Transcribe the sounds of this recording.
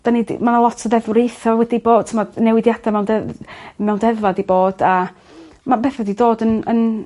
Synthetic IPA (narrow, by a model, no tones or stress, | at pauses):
d̥anid̰manalˠɔtʰəðɛðwrejθɔwɛdiboːd̥̚tʰəmɔdnɛwɪdjad̥amɛwndɛmɛwndɛðvadiboːd̥a | mabeːθɛdidoːdənən